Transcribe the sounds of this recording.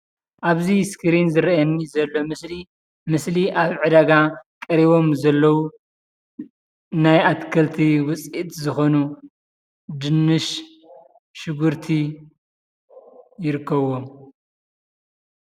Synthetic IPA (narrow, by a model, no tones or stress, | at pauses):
ʔaβziskɨɾinzɨɾɐɐnːizɐlːo̞mɨsli | mɨsliʔaβʕɨd̪aɡakʼɐɾiβo̞mzɐlːɐwu | najat̪kʰɐlt̪ʰiwʊt͡sʼit̪zɨxo̞nu | d̪ɨnːɨʃ | ʃɨɡuɾt̪ʰi | jɪɾɨkːɐβom